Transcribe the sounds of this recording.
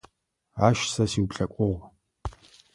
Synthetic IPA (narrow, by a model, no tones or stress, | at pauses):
aːʃsɐsiwpɬʼɐkʷʼʊʁʷ